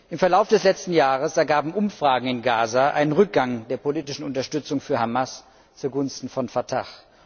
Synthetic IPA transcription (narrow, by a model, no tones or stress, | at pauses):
ʔɪmfɛɐlaʊfd̥ɛslɛt͡stn̩jaːʁ̞əsɛɐɡaːbm̩ʔʊmfʁ̥aːɡŋ̩ɪnɡaːzaʔa̰ɪnənʁʏk̚ɡ̥aŋdeːɐpoliːtɪʃn̩ʊntɐʃtʏt͡sʊŋfyːɐɦamas | t͡suːɡʊnstn̩fɔnfatʰaχ